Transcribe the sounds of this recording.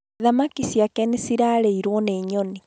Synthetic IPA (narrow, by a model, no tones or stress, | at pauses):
ðamakisjakɛnesiɾaɾeiɾwɔneːɲɔni